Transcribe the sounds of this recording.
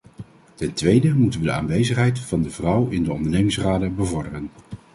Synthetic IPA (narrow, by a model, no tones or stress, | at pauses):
tɛntʋejdəmutənʋədəa̰ːnʋejzəχɦɛjtfɑndəvrʌwɪndəɔ̰ndəɹnejmɪŋsraːdəbəvɔɹdərən